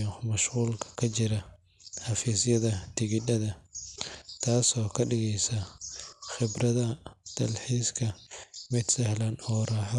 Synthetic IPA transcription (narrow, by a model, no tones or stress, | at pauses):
ɔmɐʃquːlkʰɐ̥kʰɐt͡ʃɪɾɐ | ħɑfiːsjɐðɐt̪ʰɪɣɪdɐðɐ | t̪ʰaːsɔːkʰɐɗɪɣɛjsɐ | xɪbrɐðɐd̪̥ɐlħiːskʰɐmɪd̪sɐhlɐnɔːɾaːħɔ